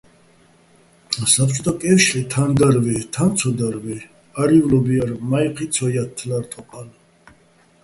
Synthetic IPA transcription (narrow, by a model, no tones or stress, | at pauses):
sapʰt͡ʃʰʼɔt̪ʰɔkʼɛfʃlit̪ʰand̪aɾvɛt̪ʰant̪sʰɔd̪aɾvɛ | aɾivlɔbiaɾmajqʰit̪sʰɔjat̪ʰːlaɾt̪ʼɔqʼan